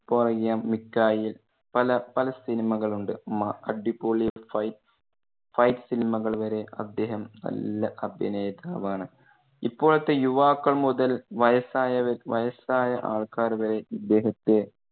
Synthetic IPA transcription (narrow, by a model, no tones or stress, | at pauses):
porɐɣjaːmːikːaːjil | pɐlɐpɐlɐsinimɐɣɐɭuɳɖɨmɐɐɖipːoːɭifɐj | fɐjtsinimɐɣɐɭʋɐɾe̞ɐ̰d̪ːe̞ːɦɐmnɐ̰lːɐʔɐbʱɐ̰neːðaːʋaːɳɨ | ipːo̞ːɭɐt̪ːejuʋaːkːɐɭmuðɐlʋɐjɐsaːjɐʋɐʋɐjɐsaːjɐʔa̰ːɭkaːɾʋɐɾe̞id̪ːe̞ːɦɐt̪ːe